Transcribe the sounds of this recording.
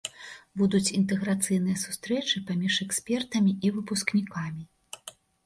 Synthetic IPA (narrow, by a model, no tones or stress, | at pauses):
bud̪ut͡sʲint̪ɛɣɾat̪sɨjn̪ɨjɐsust̪ɾɛt͡ʂɨpamʲiʂɛksʲpʲɛrt̪ɐmʲiʔivɨpusknʲikamʲi